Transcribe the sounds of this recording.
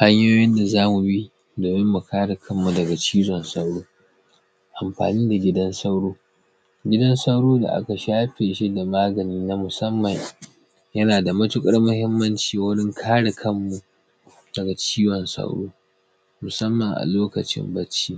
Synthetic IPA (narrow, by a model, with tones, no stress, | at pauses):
ha˦ɲjoː˦jɪ˦nda˨zaː˦mu˨bi˦ | doː˨mɪ˦mːu˨kʰaː˦ɽe˨kʰɐ˦mːu˨dɐ˨ɡa˨t͡ʃiː˦zɔ˨nsa˦wɽoː˦ | ʔa˨mɸa̰ː˨niː˦da˨ɡʲɪ˦dɐ˦nsa˦wɽoː˦ | ɡʲɪ˦dɐ˦nsa˦wɽoː˦da̰˨ʔa̰˦ka˨ʃaː˦ɸeː˨ʃi˦da˨maː˦ɡɐ˨niː˦na˦mʊ˨sɐ˦mːɐ˨ɲ | jɐ˦naː˨da˨mɐ˦tʊ˦kʼɐ˦ɽmʊ˦hɪ˦mːɐ˦nt͡ʃiː˨wʊ˦ɽɪ˦ŋkʰaː˦ɽɪ˨kʰɐ˦mːu˨ʔ | d̥ɐ˨ɡa˨t͡ʃiː˦wɔ˨nsa̰˦wɽo̰ː˦ | mʊ˨sɐ˦mːɐ˨ŋʔa̰˨loː˦kɐ˨t͡ʃɪ̰˦mbɐ˦t͡ʃːiː˦